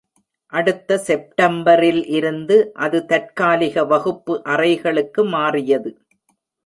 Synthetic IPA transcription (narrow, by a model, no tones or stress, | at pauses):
ʔɐɽɯt̪ːɐsɛp̚ʈɐmbɐɾɪlʔɪɾɯnd̪ɯʔɐðɯt̪ɐʈ̚kaːlɪɣɐʋɐɣɯpːɯʔɐrɐɪɣɐɭɯkːɯmaːrɪjɐðɯ